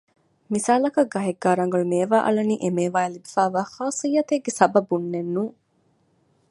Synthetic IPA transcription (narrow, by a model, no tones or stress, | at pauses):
misaːlɐkɐɡːɐɦeɡːaːɾɐŋ̆ɡɐɭumeːʋaːʔɐ̰lɐnḭːʔemeːʋaːelibifæːʋaːxaːsijːɐt̪eɡːesɐbɐbunːenːuː